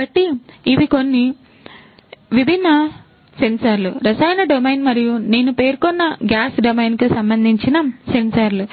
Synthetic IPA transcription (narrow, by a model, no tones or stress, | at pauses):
bɐʈːiːʋiko̞nːi | ʋibʱinːɐ | sensɐɾlṵɾɐsɐjnɐɖomejnmɐɾijune̞ːnupe̞ːɾkonːɐɡjaːsɖomɐjnkusɐmbɐnd̪ʱiɲt͡ʃinɐse̞nsɐɾlu